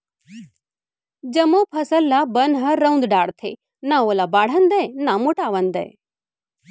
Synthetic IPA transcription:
d͡ʒɐmopʰɐsəlːabɐnɦɐɾɐũnd̪ɖaːɽt̪ʰḛ | nãoːlabaːɽ̤ənd̪əjnamoʈaːʋənd̪ɐ̰j

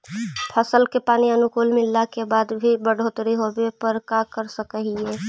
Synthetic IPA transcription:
pʰəsəlkepaniənukulmɪlːakebad̪bʱibəɽ̤ʱot̪ɾiɦobepəɾkakəɾsəkəɦie

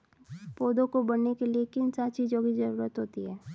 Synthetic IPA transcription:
poːd̪õkobɐɽnekeliekɪnsat͡ʃiːd͡ʒõkizɐɾuːɾət̪ɦoːt̪iɦɛː

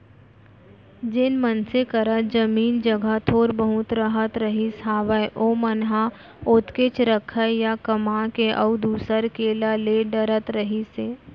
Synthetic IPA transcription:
d͡ʒɪnmənsekəɾət̪d͡ʒəmiːnd͡ʒəɡʱat̪ʰoːɾbəɦʊt̪ɾəɦət̪ɾəɦisaːʋəjʔoːmənɦa | ʊːt̪kɪt͡ʃɾəkʰəjakəmakeʔəʊd̪uːsəɾkeːlaleɖəɾət̪ɾəɦiseː

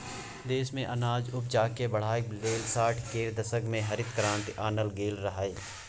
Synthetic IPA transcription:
d̪eːsmẽʔɐnaːd͡ʒʊp̚d͡ʒaːkebɐɽ̤aːeleːlsaːʈʰkeːɾd̪ɐsəɡmẽɦɐɾɪt̪kɾãːnt̪aːnəlɡeːlɾɐɦaːeː

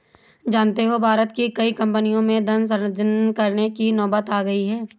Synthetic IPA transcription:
d͡ʒaːnt̪eɦobʱaːɾət̪kikɐikɐ̃mpənijõmẽd̪ʱɐ̃ns̬ɐ̃ɾəd͡ʒənkɐɾnekinɔːbət̪aːɡɐiɦɛː

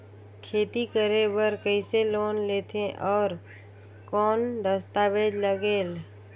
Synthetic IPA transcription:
kʰeːt̪ikəɾebəɾkəɪseloːnleːt̪ʰẽʔɔːɾ | kɔːnd̪əst̪aːʋeːd͡ʒləɡeːl

